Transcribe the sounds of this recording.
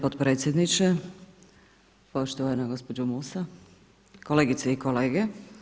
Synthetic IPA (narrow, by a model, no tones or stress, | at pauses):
pot̪pɾeːt̪sjed̪nit͡ʃɛ | poʃt̪oʋanaɡo̞spod͡ʒumusa | koleːɡit̪seikoleːɡe